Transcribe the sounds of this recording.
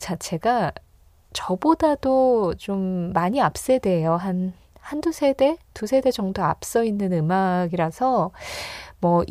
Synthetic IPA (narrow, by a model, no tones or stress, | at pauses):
t͡ɕʰat͡ɕʰe̞ɡa | t͡ɕʌbodadot͡ɕomːaɲiap̚s͈e̞de̞joɦan | handusʰe̞de̞tusʰe̞de̞d͡ʑʌŋdoap̚s͈ʌinːɯnɯmaɡiɾasʰʌ | mʌ